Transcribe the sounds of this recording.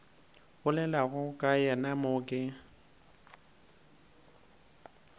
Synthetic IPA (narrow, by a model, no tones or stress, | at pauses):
ɣʊlɛlaɣʊkʼajɛnamʊːkʼɪ